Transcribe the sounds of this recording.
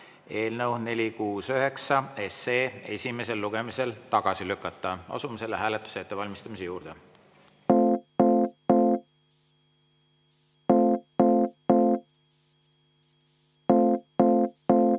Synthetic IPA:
e̞ːlnəwne̞lʲikuːsøɦe̞ksɑe̞seːe̞sʲime̞se̞lːuɡ̥e̞mise̞lt̪ɑɡ̥ɑsilykːˑɑt̪ˑːɑɑ̰sumse̞lːeɦæːlet̪ːˑu̥seet̪ːevɑlʲmist̪ɑmisejuːɾd̪̥e

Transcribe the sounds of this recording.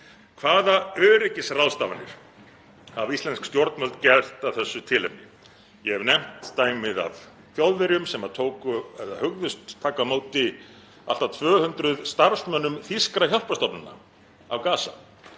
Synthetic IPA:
kʰvaːðaœːɾɪcɪsraw̪st̪avanɪ̰ɾ̥ | avist̪ɛnskst̪jɔɾt̪mœlt̪cɛr̥t̪aðθɛsːʏt̪ʰɪlɛpnɪ | jɛɛvnɛm̥t̪t̪aːjmɪða̰v | θjowðvɪɾjʏmsɛmat̪ʰoːwkʏɛða̰hʏɣðʏst̪ʰːaːkamoːwt̪ɪ | a̰l̥t̪at̪ʰvœːhʏnt̪ɾʏðst̪aɾsmœnːʏmθiskɾaçɔl̥past̪ɔpnʏna̰ | a̰wkaːsa̰

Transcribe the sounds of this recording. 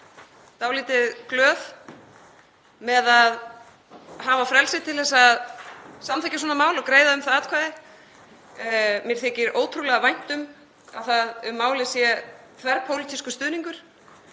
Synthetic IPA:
t̪awliːt̪ɪðklœːv | mɛðað | ɦaːvafɾɛlsɪt̪ʰɪlθɛsːaðsamt̪ɛjcːas̬ɔːnamaːwlɔkɾeːjðaʏmθaðaːt̪kʰvaːðɪ | mjɛɾ̥θɛcɪɾʔoːwt̪ʰɾulɛɣavajn̥t̪ʏm | a̰ðθaðʏmːaːwlɪsjɛ | kʰvɛɾpʰowlit̪ʰiskʏst̪ʏːðniŋkʏɾ̥

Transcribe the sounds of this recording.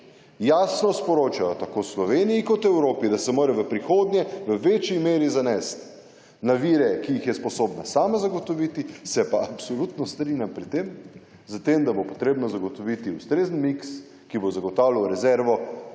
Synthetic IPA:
jaːsnɔspɔɾoːt͡ʃajɔt̪akoslɔʋeːniikɔt̪ɛwɾoːpid̪asɛmoːɾɛʋəpɾixoːd̪njɛʋəʋet͡ʃimeːɾizanɛst̪ | naʋiːɾɛkijixjɛspɔsoːbnasaːmazaɡɔt̪ɔʋit̪isɛpaapsolut̪nɔst̪ɾinʲjampɾit̪ːem | zət̪emd̪abopɔt̪ɾeːbnɔzaɡot̪ɔʋit̪iust̪ɾeːzənmiks | kibozaɡɔt̪aːwləwɾɛzɛɾʋɔ

